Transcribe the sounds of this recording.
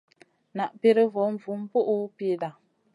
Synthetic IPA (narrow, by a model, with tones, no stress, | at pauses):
na˨ʔpi˦ɾɨ˦vo˨˦ɱ̩˦˨vu˨˦m̩˦po˦ʔu˦pi˦da˨